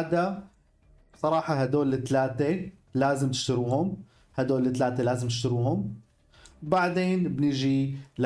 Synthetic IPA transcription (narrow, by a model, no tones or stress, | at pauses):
d̪ḁ | sˤɑɾˤɑːħɑɦad̪oːlːɪt̪laːt̪elaːzɪmt̪ɪ̥ʃt̪ʊɾuːhʊm | had̪oːlːɪt̪laːt̪elaːzɪmt̪ɪ̥ʃt̪ʊɾuːɦʊm | baʕd̪eːnbnɪʒil